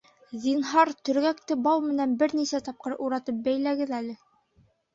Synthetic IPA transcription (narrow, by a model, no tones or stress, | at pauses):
zinɦɑɾt̪ɵ̆ɾɡækt̪ɘbɑwmɘ̆nænbɘɾnisæt̪ɑp̚qɤɾuɾɑt̪ɤp̚bæjlæɡɘðælɘ